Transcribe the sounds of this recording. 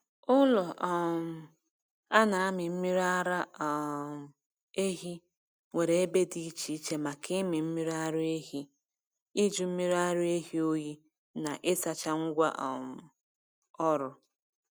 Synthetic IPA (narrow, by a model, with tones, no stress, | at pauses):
ʊ˦lɔ˨m̩˨ | a˦na˨a˦mɪ˨m̩˦mi˦ɾa˦ɾa˦˨ | e˦ɦi˦ | we˨ɾe˨e˦be˦di˦i˦t͡ʃi˦t͡ʃe˦ma˨kɪ˦mɪ˨m̩˦mi˦ɾa˦ɾʊ˦e˦ɦi˦ | i˦d͡ʒu˦m̩˦mi˦ɾa˦ɾʊ˦e˦ɦi˦o˦ji˦ | na˨ʔɪ˦sa˨t͡ʃa˦ŋ̩˦ɡʷa̰˦ʔɔ˨m̩˨ | ɔ˦ɾʊ˨